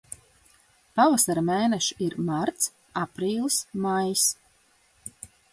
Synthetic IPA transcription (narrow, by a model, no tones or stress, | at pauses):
pavasaɾmeːnɛʃiɾmaɾt̪s | apɾiːlˠsmajs